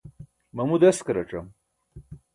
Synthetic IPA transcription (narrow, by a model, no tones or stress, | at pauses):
mɐmud̪eskɐɾɐʈ͡ʂɐm